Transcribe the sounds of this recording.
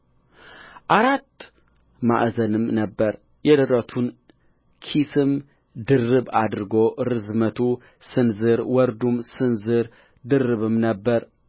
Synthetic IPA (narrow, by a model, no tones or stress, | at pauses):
ʔaɾat̪ː | ma̰ʔzənɨmnəbːəɾ | jɛd̪ɨɾət̪ʰun | kʰisɨm | d̪ɨrːɨbad̪ɾɨɡoɾɨzmət̪ʰu | sɨnzɨɾwɔɾd̪umsɨnzɨɾ | d̪ɨrɨβɨmnəbːəɾ